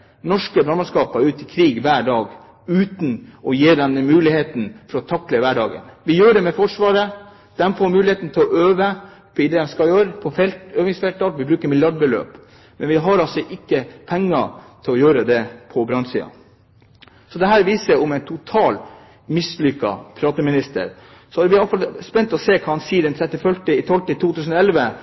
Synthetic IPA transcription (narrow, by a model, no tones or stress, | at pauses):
nɔʂkəbɾɑnmɑnskɑːpɑʉːt̪ɪkʰɾiːɡʋæːɖɑːɡ | ʉːt̪n̩ɔjeːd̪ɛnːəmʉːlɪheːt̪n̩fɔɾɔt̪ʰɑkləʋæːɖɑːɡə̰nʋɪjøːɖɛmɛfɔʂʋɑːɾə | d̪̥ɛmfoːɾmʉːlɪheːt̪n̩t̪ʰɪlɔʔøːʋə | pʰɔɪd̪ɛːd̪ɛmskɑjøːɾəpʰɔfɛlt̪øːʋɪŋsfɛlt̪ɑlʋɪbɾʉːkəɾmɪljɑɖ̚bəlø̰ːp | mɛnʋɪɦɑɾɑlsɔʔɪkːəpʰɛŋːɑ̰t̪ʰɪlɔjøːɾəd̪ɛpʰɔbɾɑnsḭːɑ̰ | sɔd̪ɛɦæːɾʋiːsəɾɔmɛɪnt̪ʰʊt̪ʰɑːl | mɪslʏkːɑ̰pʰɾɑːt̪əmɪnɪst̪ə̰ɾ | sɔæʋɪɑlfɑlspɛnt̪ɔseːkʰɑɑnsiːd̪ɛnt̪ʰɾɛt̪ːɪfœlʈəɪt̪ʰɔlt̪əɪt̪ʰuːt̪ʰʉːsn̩ɔɛlʋə